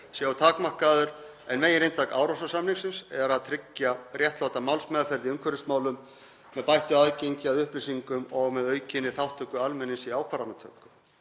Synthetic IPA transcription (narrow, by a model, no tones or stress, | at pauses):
sjaawt̪ʰaːkmar̥kaðʏɾ | ɛnmeːjɪnɾejnt̪aka̰ːwɾawsasamliŋksɪnsɛɾaðt̪ʰɾɪcːjarjɛht̪lowt̪amawlsmɛðafɛɾðiʏŋkʰvœɾɪsmaːwlʏmː | ɛðpajht̪ʏaðcejɲcɪaðʏhplisiŋkʏmɔɣmɛðœːɥcɪnːɪθawht̪ʰːœːkʏalmɛnːɪsiaːwkʰvaːɾanat̪ʰœ̰ːkʏm